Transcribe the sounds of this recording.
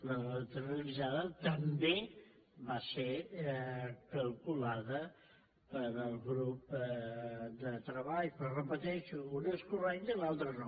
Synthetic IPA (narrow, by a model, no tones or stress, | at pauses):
lət̪ərulizaðət̪əmbe | βaseɾ | kəlˠkulaðə | pəɾəlˠɣɾup | d̪ət̪ɾəβaʎpərəpət̪ɛʃuunəskurɛnt̪əilalˠt̪ɾənɔ